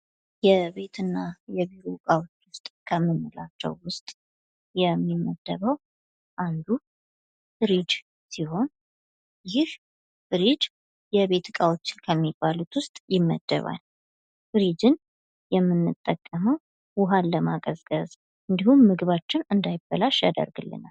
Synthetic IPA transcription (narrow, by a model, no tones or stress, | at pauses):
jɛβe̞t̪ʰɨnːajɛβiɾokʼawo̞t͡ʃːwʊst̪ʼkʰəmːɨnːɨlat͡ʃːɛ̰wːʊst̪ʼ | jɛmːimːəd̪ːəβəw | ʔand̪u | b̥ɾid͡ʒ | siho̞n | jɪh | b̥ɨɾid͡ʒ | jɛβe̞t̪kʼawot͡ʃːɪ̥nkʰəmːibːalut̪wʊst̪ʼjɪmːə̰d̪̥ːə̰βa̰l | b̥ɾid͡ʒɨn | jɛmːɨnːɨt̪ʼːəkʼːəməw | wʊɦanləmakʼəzɡəz | ʔɨnd̪ihumːɨɡɨβat͡ʃːɪnɨnd̪ajɪbːəlaʃja̰d̪ə̰ɾɡɨlːɨ̰na̰l